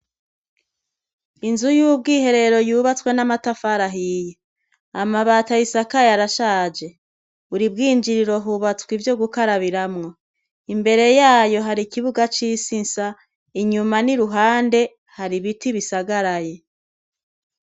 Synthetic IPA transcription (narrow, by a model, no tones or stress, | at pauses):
inzujub̚ɡiːhe̞ɾe̞ɾo̞juːβat͡swe̞namatafaɾaɦije | amaβaːtajisakajaɾaʃaːd͡ʒe̞ | uɾib̚ɡiːɲd͡ʒiɾiɾo̞ɦuβat͡swivjo̞ɡukaɾaβiɾamŋo̞ | imbe̞ɾe̞jaːjo̞ɦaɾikiβuɡat͡ʃisinsa | iɲumaniɾuɦaːnde̞ | haɾiβitiβisaɡaɾaje̞